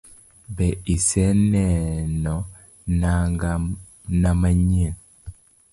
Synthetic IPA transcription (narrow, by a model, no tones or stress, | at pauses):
bɛisɛnɛnɔ | naŋɡa | namaɲiŋ